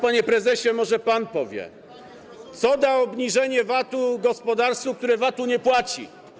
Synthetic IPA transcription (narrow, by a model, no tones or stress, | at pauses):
paɲɛpɾɛzɛɕɛmɔʐɛpanpɔvʲjɛ̰ | t̪sɔd̪aɔbɲiʐɛɲɛvat̪uɡɔspɔd̪aɾsuk̚t̪uɾɛvat̪uɲɛpwat͡ɕḭ